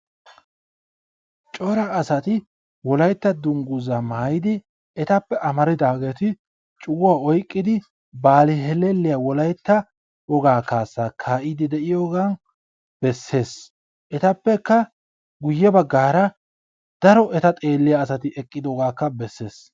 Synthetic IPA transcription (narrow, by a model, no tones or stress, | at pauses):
t͡ʃʼɔɾɐːsɐt̪ɪ | wɔlɐjt̪ːɐd̪ʊŋɡʊzɐmaːjɪd̪ɪ | ɛt̪ɐpːɛʔɐmɐɾɪd̪aːɡe̞ːt̪ɪ | t͡ʃʼʊɡʊwaːɔjkʼːɪd̪ɪ | baːlɪɦɛlɛlːɪjawɔlɐjt̪ːɐ | wɔɡaːkaːsːaːkʰaːʔɪd̪ɪd̪ɛʔɪjoːɡan | b̥ɛsːe̞ːs | ʔɛt̪ɐpːɛkːɐ | ɡʊjːɛbɐɡːaːɾɐ | d̪̥ɐɾɔɛt̪ɐt̪ʼe̞ːlːɪjaːsɐt̪ɪʔɛkʼːɪd̪ɔɡaːkːɐbɛsːe̞ːs